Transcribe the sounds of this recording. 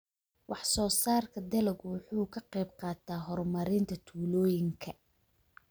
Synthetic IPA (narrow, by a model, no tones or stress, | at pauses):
wɑħsɔːsaːrkʰɐd̪ɐlɛɡwʊħuːkʰɐqɛjb̚qɑːt̪ʰaːɦɔrmɐɾɪnt̪ʰɐt̪ʰuːlɔːjɪŋkʰɐ